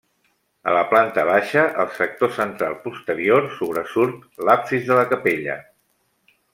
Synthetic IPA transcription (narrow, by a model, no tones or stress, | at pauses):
ə̰ləplant̪əβ̞aʃəʔəlˠsək̚t̪osənt̪ɾalˠpust̪əɾioɾsuβ̞ɾəsuɾt̪lapsizðələkəpeʎə̰